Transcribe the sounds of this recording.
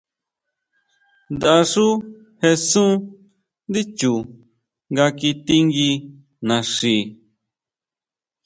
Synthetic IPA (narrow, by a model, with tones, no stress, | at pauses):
nd̪a˧a˧ʂu˦ | he˧sũ˦ | nd̪i˦t͡ʃu˨ | ŋɡa˧ki˧t̪i˧ŋɡi˧ | nã˨ʂi˨